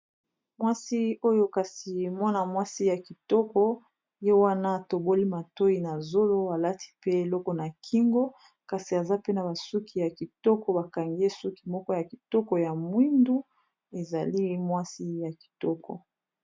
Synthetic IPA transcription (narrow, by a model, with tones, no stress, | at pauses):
mwa˦si˦o˦jo˦ka˨si˨mɔ˦na˨mwa˦si˦ja˨ki˨tɔ˦kɔ˦ | je˦wa˦na˦a˨to˨bo˦li˦ma˨to˦i˨na˨zo˦lo˦a˨la˦ti̥˨pe˦e˨lɔ˦kɔ˨na˨kʰi˦ŋɡo˦ | ka˨si˨a˨za˦pe˦na˨ba˨su˦kʰi˨ja˨ki˨tɔ˦kɔ˨˦ba˨ka˨ŋɡe˦su˦ki˨mɔ˦kɔ˦ja˨ki˨tɔ˦kɔ˨ja˨mwi˦ndu˦ | e˨za˨li˦mwa˦si˦ja˨ki̥˨tɔ˦kɔ̰˨